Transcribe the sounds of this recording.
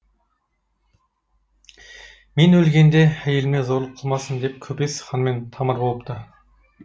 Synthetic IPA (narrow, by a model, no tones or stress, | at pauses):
menɵlɡʲe̞nd̪ehæjelɪmezoɾlˠəqʰəlˠmɑsəmd̪e̞p̚kʲʰɵpesχɑnme̞nt̪ʰɑməɾbolˠəp̚t̪ə